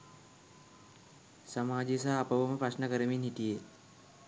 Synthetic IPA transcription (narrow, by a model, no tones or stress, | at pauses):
səmaːd͡ʒes̬aːpəʋəməpɾasnəkəɾəminɦit̪ije